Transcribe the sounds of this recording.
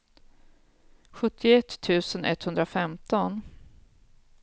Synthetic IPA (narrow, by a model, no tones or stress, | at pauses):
ɧɵt̪ʰːɪɛt̪ʰːʉ̟ːsənʔɛ̰t̪ːhɵnd̪ɾafɛmt̪ɔn